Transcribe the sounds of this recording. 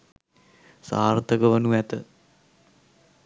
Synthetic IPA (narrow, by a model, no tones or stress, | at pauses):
sa̰ːrt̪əkəʋənuʋæt̪ə